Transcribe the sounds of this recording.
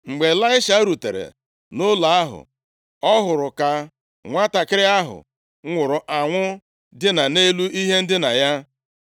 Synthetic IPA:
ŋ͡m̩˨ɡ͡be˨la˦ɪ˦ʃa˦ɾu˨tḛ˨ɾḛ˨ | nʊ˦la˨a˦ɦʊ̰˨ | ɔ˦ɦʊ˨ɾʊ˨ka˦ | ŋʷa˦ta˨kɪ˦ɾɪ˦a˦ɦʊ̰˨ | ŋʷʊ˨ɾʊ˨ʔa˨ŋʷʊ˦ | dɪ˦na˨ne˦lu˦i˦ɦe˦n̩˦dɪ˦na˨ja˦

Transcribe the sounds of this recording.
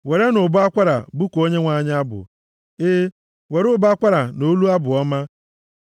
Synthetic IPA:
we˨ɾe˦nʊ˨bʊ˦a˦kʷa˦ɾa̰˨bu˦ko˦ɲe˦ŋʷa˨ɲ˦a˦bʊ̰˨ | ɪ˦ | we˨ɾʊ˦bʊ˦a˦kʷa˦ɾa˨no˦lu˦a˦bʊ˨ɔ˦ma˦

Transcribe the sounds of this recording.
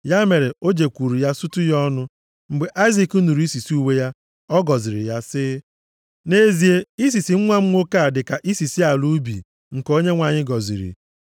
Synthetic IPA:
ja˦me˨ɾe˨o˦d͡ʒe˨kʷu˨ɾi˨ja˦sʊ˦tʊ˦jɔ˦nʊ˦ | m̩˨ɡ͡be˨ʔa˦ɪ˦zi˨ku˦nu˨ɾi˦si˨si˦u˦we˦ja˦ | ɔ˦ɡɔ˨zi˨ɾɪ̰˨ja˦sɪ˦ | ne˦zi˨e˦i˦s̬i˨si˨ŋ̩˦ŋʷa˦m̩˦ŋʷo˦ka˦˨dɪ˨ka˨ʔi˦si˨si˦a˨lu˦bḭ˨ | ŋ̩˨ko˦ɲe˦ŋʷa˨ɲɪ˦ɡɔ˨zḭ˨ɾḭ˨

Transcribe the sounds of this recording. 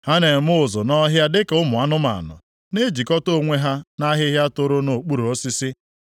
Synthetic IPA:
ha˦ne˨m˦ʊ˦ʊ˨zʊ˨nɔ˦ɦja˦dɪ˦kʊ˦mʊ˨a˦nʊ˦ma̰˨nʊ̰˨ | ne˦d͡ʒi˨kɔ˦to˦˨ŋʷe˦ɦa˦na˦ɦɪ˦ɦja˦to˦ɾo˦no˨k͡pu˦ɾo˨o˦si˦sɪ˦

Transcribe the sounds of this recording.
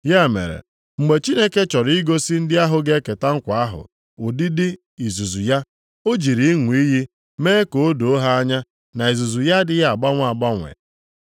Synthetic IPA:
ja˦˨mḛ˨ɾḛ˨ | ŋ͡m̩˨ɡ͡be˨t͡ʃi˦ne˦ke˦t͡ʃɔ˨ɾi˦ɡo˦sɪ˦n̩˦dɪ˦a˦ɦʊ˨ɡe˦ke˨ta˦ŋ̩˦kʷa˨a˦ɦʊ̰˨ | o˨dɪ˦dɪ˦ | i˨zu˨zu˨ja˦ | o˦d͡ʒi˨ɾi˨i˦ŋʷ˨i˦ɦi˦ | meː˦e˦ko˨o˦do˨˦ɦa˦a˦ɲa˦ | na˨i˨zu˨zu˨ja˦dɪ˦ja˨ɡ͡ba˦ŋʷ˦a˨ɡ͡ba˦ŋʷḛ˨

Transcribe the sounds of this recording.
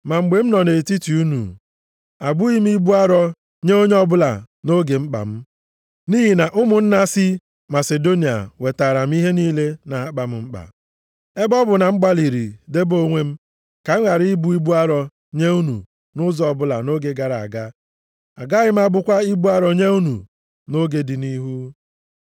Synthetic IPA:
ma˨ŋ͡m̩˨ɡ͡be˨m̩˦nɔ˨ne˨ti˦ti˨u˦nṵ˨ | a˨ɡ͡bu˦i˦m̩˦i˦bu˦a˦ɾɔ˦ | ɲe˦o˦ɲe˦ɔ˦bʊ˦la̰˨ | no˦ɡe˨ŋ͡m̩˦k͡pa̰˨m̩˦ | ni˦ɦi˨na˨ʔʊ˦mʊ˨n̩˦na˦sɪ˦ | ma˨se˨do˦ni˨a̰˨we˨ta˨ɾa˨m̩˦i˦ɦe˦niː˦le˦na˨a˦k͡pa˨m̩˦ŋ͡m̩˦k͡pa̰˨ | e˦bɔ˦bʊ˨na˨ŋ͡m̩˦ɡ͡ba˦li˨ɾḭ˨de˦bo˦ŋʷe˦m̩˦ | ka˨˦ŋa˨ɾi˦i˦bu˦i˦bu˦a˦ɾɔ˨ | ɲe˦u˦nṵ˨ | nʊ˦zɔ˨bʊ˦la̰˨no˦ɡe˨ɡa˨ɾa˨a̰˨ɡa˦ | a˨ɡa˦ɣɪ˦m̩˦a˦bʊ˦kʷa˦i˦bu˦a˦ɾɔ˨ɲe˦u˦nṵ˨ | no˦ɡe˨dɪ˨ni˦ɦu˦

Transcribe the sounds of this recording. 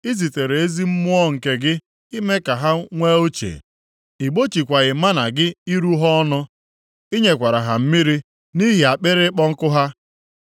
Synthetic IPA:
i˦zi˨te˨ɾe˨e˦zi˦m̩˦mʊ˦ɔ˦ŋ̩˨ke˦ɡɪ˦ | i˦me˦ka˨ɦa˦ŋʷe˦o˦t͡ʃḛ˨ | i˨ɡ͡bo˦t͡ʃi˨kʷa˨ɣɪ˨ma˦na˨ɡɪ˦i˦ɾu˦ɦɔ˦ɔ˦nʊ˦ | i˦ɲe˨kʷa˨ɾa˨ɦa˨m̩˦mi˦ɾi˦ | ni˦ɦi˨a˨k͡pe˦ɾɪ˦k͡pɔ˦ŋ̩˦kʊ˦ɦa˦

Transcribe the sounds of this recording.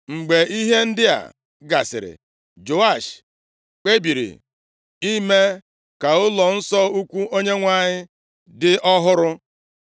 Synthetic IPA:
ŋ͡m̩˨ɡ͡be˨i˦ɦe˦n̩˦dɪ˦a̰˨ | ɡa̰˨sɪ̰˨ɾɪ̰˨ | d͡ʒo˨a˦˨ʃ | k͡pe˦bi˨ɾḭ˨ | i˦me˦ | ka˨ʊ˦lɔ˨n̩˦sɔ˦u˦kʷu˦o˦ɲe˦ŋʷa˦˨ɲɪ˦ | dɪ˦ʔɔ˦ɦʊ˦ɾʊ˦

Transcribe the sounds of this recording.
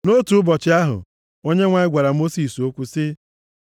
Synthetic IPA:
no˦tu˨ʊ˦bɔ˨t͡ʃɪ˦a˦ɦʊ̰˨ | o˦ɲe˦ŋʷa˨ɪ˦ɡʷa˨ɾa˨mo˦si˨so˦kʷu˦sɪ˦

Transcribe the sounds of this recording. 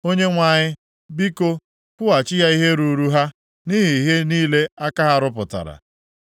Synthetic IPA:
o˦ɲe˦ŋʷa˦˨ɲɪ˦ | bi˦ko˦ | kʊ˦a˨t͡ʃɪ˦ja˦i˦ɦe˦ɾu˨ɾu˦ɦa˦ | ni˦ɦi˨ɦe˦niː˦le˦a˦ka˦ɦa˦ɾʊ˦p̬ʊ˨ta̰˨ɾa̰˨

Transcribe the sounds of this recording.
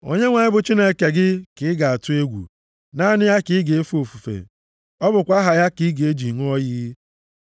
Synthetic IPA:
o̰˦ɲe˦ŋʷa˨ɲɪ˦bʊ˨t͡ʃi˦ne˦˨ke˨ɡɪ˦kɪ˨˦ɪ˦ɡa˨a˨tʊ˦e˦ɡʷṵ˨ | na˦nɪ˦ja˦kɪ˨˦ɡe˨e˦fu˦o˨fu˨fḛ˨ | ɔ˦bʊ˨kʷa˦ɦa˨ja˦ki˦ɡe˨e˦d͡ʒi˨ŋu˦ɔ˦ji˦

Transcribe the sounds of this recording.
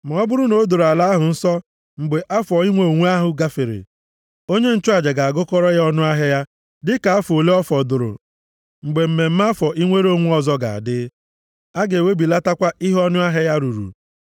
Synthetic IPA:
ma˨ɔ˦bʊ˦ɾʊ˦no˨˦do˨ɾa˨la˦ɦʊ˨n̩˦sɔ˦ | ŋ͡m̩˨ɡ͡be˨ʔa˦fɔ˨i˦ŋʷo˦˨o˨ŋʷu˦a˦ɦʊ˨ɡa˦fe˨ɾḛ˨ | o˦ɲe˦n̩˨t͡ʃʊ˦a˨d͡ʒe˨ɡa˨a˨ɡʊ˦kɔ˦ɾɔ˦jɔ˦nʊ˦a˦ɦe˦ja˦ | dɪ˦ka˨a˦fo˨le˦ɔ˦fɔ˨dʊ˨ɾʊ̰˨ | ŋ͡m̩˨ɡ͡be˨m̩˨me˨m̩˦m˦a˦fɔ˨ʔi˦ŋʷe˦ɾo˦˨ŋʷu˦ɔ˨zɔ˦ɡa̰˨a̰˨dɪ˦ | a˦ɡe˨we˦bi˨la˦ta˦kʷa˦ʔi˦ɦɔ˦nʊ˦a˦ɦe˦ja˦ɾu˨ɾṵ˨

